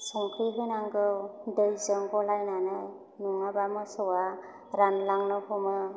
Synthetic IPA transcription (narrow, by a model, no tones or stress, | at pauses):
sɔŋkʰiɦɯnaŋɡɯwdɯjzɯŋbɔlajnanɯ | nuŋabamɯsɯwa | ɾanlaŋnɯhɔmɯ